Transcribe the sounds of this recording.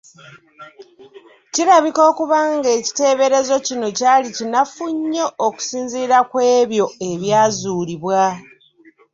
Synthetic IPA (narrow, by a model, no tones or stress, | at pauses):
ciɾaβiko̞ːkuβaŋɡe̞ːci̥te̞ːβe̞ɾe̞zo̞cino̞caːlicinafuɲːooku̥siːnziːɾakwe̞ːβjo̞e̞βjaːzuːɾiβwa